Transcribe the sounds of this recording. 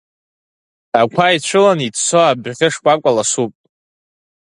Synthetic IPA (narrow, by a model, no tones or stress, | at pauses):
akʷʰait͡ɕʷʰɨlanitsoabʁʲɪʂkʷʼakʷʼalasupʼ